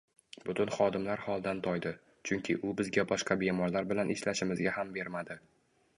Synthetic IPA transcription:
bʊt̪ʊnχɒd̪ɪmlaɾhɒlˠd̪ant̪ʰɒjd̪ɪ | t͡ʃʰʊŋkʲʰɪʔʊbɪzɡʲabɒʃqɑbe̞mɒɾlaɾbɪlanʔɪʃlaʃɪmɪzɡʲahambe̞ɾmad̪ɪ

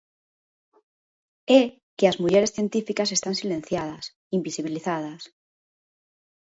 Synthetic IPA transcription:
e | keazmuʝeɾe̞sθje̞nt̪ifikase̞st̪ansilẽ̞n̟θjað̞as | imbisiβ̞iliθað̞as

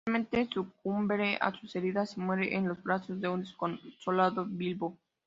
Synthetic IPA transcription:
mẽ̞nt̪e̞sukumbɾe̞ʔa̰suse̞ɾiðase̞mwe̞ɾeʔenlo̞zbɾaso̞zðe̞und̪eskoso̞laðoβilβo

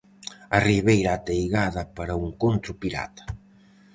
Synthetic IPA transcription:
ɐriβejɾaːt̪ejɣaðɐpaɾɐuŋkont̪ɾʊpiɾa̰t̪ɐ̥

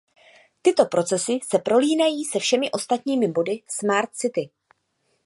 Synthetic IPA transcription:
t̪ɪt̪o̞pɾo̞t͡sɛsɪsɛpɾo̞liːnajiːsɛfʃɛmɪʔo̞st̪at̪ɲiːmɪbo̞dɪsmaɾt̪̚sɪt̪ɪ

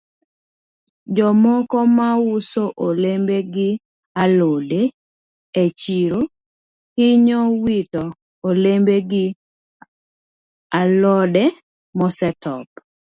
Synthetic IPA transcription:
d͡ʒɔmɔkɔmawusoʔolembeɡɪ | alode | et͡ʃiɾo | hiɲɔwitɔ | olembeɡɪ | alɔdɛ | mɔsɛtɔp

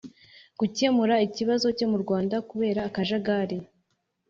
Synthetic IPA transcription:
ɡ̥uce̞muɾaiciβazo̞co̞muɾɡwaːndakuβe̞ːɾaːkaʒaɡaɾe

